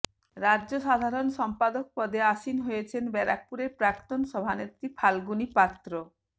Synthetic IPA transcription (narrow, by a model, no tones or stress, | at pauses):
ɾaʑoʃad̪ʱaɾonʃɔmpad̪ok̚pɔd̪eaʃinɦojet͡ɕʰenbɛɾa̰k̚puɾeɾpɾakt̪onʃɔbʱanet̪ɾipʰalɡunipat̪ːɾo